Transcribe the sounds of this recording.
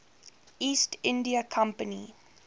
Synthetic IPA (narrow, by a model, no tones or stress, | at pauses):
ʔiːstɪ̃ndiəkʰãmpənḭ